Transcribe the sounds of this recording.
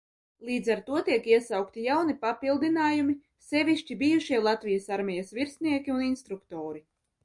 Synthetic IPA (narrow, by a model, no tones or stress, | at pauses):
lˠiːd̪zaɾt̪uɔt̪iɛkiɛsawkt̪ijawnipapilˠd̪inaːjumi | sɛvʲiʃt͡ʃibijuʃiɛlˠat̪vijasaɾmʲɛjasviɾsniɛkʲiuninst̪ɾukt̪oːɾi